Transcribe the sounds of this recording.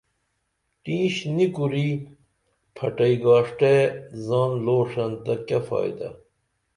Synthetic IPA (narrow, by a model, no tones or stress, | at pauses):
ʈĩːɕnikuɾi | pʰɐʈɐiɡaːʂʈezaːnloːʂɐnt̪ɐkɐfɑ̰ːjd̪ɐ̰